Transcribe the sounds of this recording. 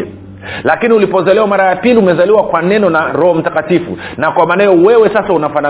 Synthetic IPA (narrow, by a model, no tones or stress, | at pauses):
lakiniulipɔzalɛwamaɾajapiliumɛzaliwakwanɛnɔnaɾɔhɔm̩takatifṵnakwamanajɔwɛwɛsasaunafana